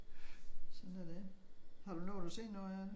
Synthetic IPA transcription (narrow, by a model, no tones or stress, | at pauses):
sɒ̽nædehɑ̈ɾ̥unɔːd̥use̝̰̥ːnːoæn